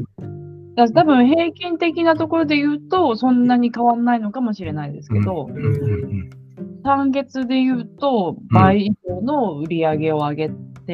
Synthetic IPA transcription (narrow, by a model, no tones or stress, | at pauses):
d̪̥at̪abɯ̟̃ɰ̃ɦe̞ːkʲĩnt̪e̞kʲinat̪o̞ko̞ɾo̞d̪e̞jɯ̟ːt̪o̞sõ̞nːaɲ̟ikaβanːaino̞kamo̞ɕiɾe̞naid̪e̞sɨ̥ke̞d̪o̞ | sãŋɡe̞t͡sɨd̪e̞jɯ̟ːt̪o̞baiːboːno̞ɯ̟ɾʲiaɡe̞o̞aɡe̞t̪ːe